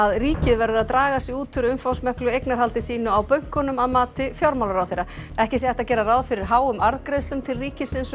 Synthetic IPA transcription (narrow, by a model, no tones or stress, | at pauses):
aðriːcɪðvɛɾʏɾaðt̪ɾaːɣasiuːt̪ʰʏɾʏmfawsmœhklʏejknaɾ̥ɦalt̪ɪsiːnʏawpœɥŋ̥kʏnʏmaðmaːt̪ɪfjawɾmawlʏɾawθejɾaɛhcɪs̬jɛɛht̪acɛːɾaraːwðfɪɾɪɾ̥ɦaːwʏmaɾðkɾeðst̪ʏmt̪ʰɪlriːcɪsɪns